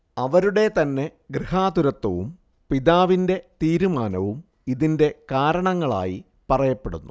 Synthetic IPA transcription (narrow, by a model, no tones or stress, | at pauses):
ɐʋɐɾuɽe̞t̪ɐnːe̞ɡɾihaːd̪uɾɐt̪ːɐʋum | piðaːʋinde̞t̪iːɾumaːnɐʋum | iðinde̞kaːɾɐɳɐŋːɐɭa̰ːji | pɐrɐjɐpːe̞ɽunːu